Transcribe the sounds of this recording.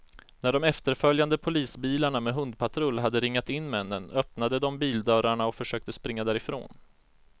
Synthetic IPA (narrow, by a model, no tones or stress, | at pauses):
næɖɔmɛft̪əɾfœljand̪əpʰʊliːsbiːlaɳamɛɦɵnd̪̚pʰat̪ʰɾɵlɦad̪ːəɾɪŋːat̪ɪnːmɛnːənœpnad̪əd̪ɔmbiːld̪œːɾaɳaɔfœʂøːk̚t̪əspɾɪŋːad̪æːɾɪfɾo̰ːn